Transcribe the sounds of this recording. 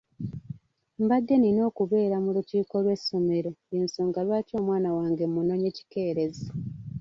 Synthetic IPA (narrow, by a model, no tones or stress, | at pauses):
mbad̪ːe̞nino̞ːkuβe̞ːɾamuluciːko̞lwe̞sːo̞me̞ɾo̞insoːŋɡalwaːco̞ːmwaːnawaːŋɡe̞muno̞ɲeci̥ke̞ːɾe̞za